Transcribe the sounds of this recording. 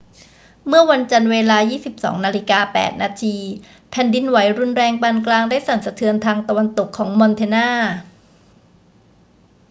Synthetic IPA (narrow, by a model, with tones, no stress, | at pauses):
mɯ˥˩ɐwa˧nt͡ɕa˧nweː˧laː˧jiː˥˩si˨˩p̚sɔ̰ː˩˦ŋnaː˧li˦˥kaː˧pɛ̰ː˨˩t̪̚naː˧t̪ʰiː˧ | pʰɛ˨˩ndi˧nwa˩˦jɾu˧nɾɛː˧ŋpaː˧nklaː˧ŋdaː˥˩jsa˨˩nsa˧t̪ʰɯ˧ənt̪ʰaː˧ŋt̪a˧wa˧nt̪o˨˩kʰːɔː˩˦ŋmɔ˧nt̪ʰeː˧naː˥˩